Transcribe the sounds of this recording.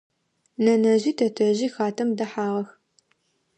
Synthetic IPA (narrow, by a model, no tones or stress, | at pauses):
nɐnɐʑiːtʰɐtʰɐʑiːxaːtʰɐmdɐħaːʁɐx